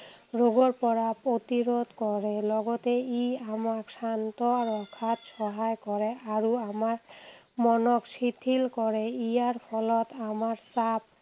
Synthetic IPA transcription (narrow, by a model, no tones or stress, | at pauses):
ɹoɡɔɹpɔɹapot̪iɾod̪ʱkɔɹelɔɡɔt̪eiamasant̪ɔaɾɔkʰat̪ʃɔɦajkɔɹeaɹuamaɾ | mɔnɔksit̪ʰilkɔɹeijaɹpʰɔlɔt̪amaɹsap̚